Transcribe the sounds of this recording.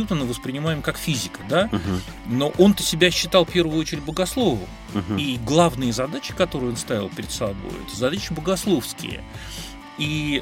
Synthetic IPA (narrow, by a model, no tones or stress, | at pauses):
jut̪ənɨvəspɾʲɪnʲɪmajɪmkakfʲizʲɪkəd̪a | no̞ʔo̞nt̪ə̥sʲɪbʲæɕːɪt̪ɑlˠfpʲe̞rvʊot͡ɕɪɾʲɪtʲbəɡɐslˠo̞vʊ̰ | iɡlˠavnɨjəzɐd̪at͡ɕɪ̥kɐt̪oɾʊjo̞nst̪avʲɪlˠpʲɪɾʲɪd̪sɐbo̰jɛ̰t̪əzɐd̪at͡ɕɪbəɡɐslˠo̞fskʲɪ̰jə̰ | i